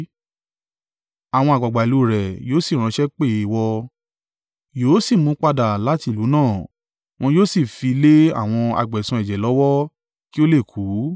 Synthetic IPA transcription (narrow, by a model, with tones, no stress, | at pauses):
a˨w̃ɔ̃˧a˨ɡ͡ba˨ɡ͡ba˨i˨lu˨˦ɾɛ˨joː˨˦si˦˨ɾ̃ã˧ʃɛ˦k͡pe˦˨i˧˨wɔ˧ | joː˨˦si˦˨mũ˨˦k͡pa˧da˨la˨˦ti˦˨lu˨˦nãː˦˨ | w̃ɔ̃˧joː˦si˦˨fi˧le˦a̰˦˨w̃ɔ̃˧a̰˧ɡ͡bɛ˨sũ˧ɛ˨d͡ʒɛ˨lɔ˨˦wɔ˦ | ki˦o˦le˦˨kʰu˨˦